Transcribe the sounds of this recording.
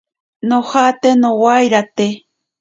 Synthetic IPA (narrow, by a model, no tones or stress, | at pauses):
nohat̪enowajɾat̪e